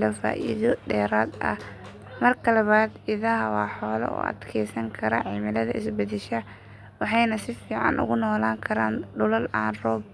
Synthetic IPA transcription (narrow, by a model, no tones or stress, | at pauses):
lɐfa̰ːʔiːðɔɖɛːɾaːd̪ɐ̰ | mɐrkʰɐlɐβaːd̪ɪðɐɦɐwɑːħɔːlɐ̰ʔɔ̰ːɐ̰d̪kʰɛːsɐŋkʰɐɾɐʕɪmɪlɐðɐɪsbɐðɪʃɐ | wɑħɑjnɐsɪfiːʕɑ̰nʔʊ̰ɣʊnɔːlaːŋkʰɐɾaːnɖʊlɐlʔaːnrɔːb